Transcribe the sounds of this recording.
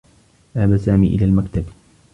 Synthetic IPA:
ʔahabasaːmḭːʔɪ̰laːlmakt̪ab

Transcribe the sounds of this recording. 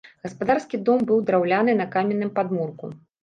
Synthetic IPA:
ɣɐspad̪arskʲid̪ɔmbɨwd̪ɾawlʲanɨnɐkamʲɛnːɨmpad̪murkṵ

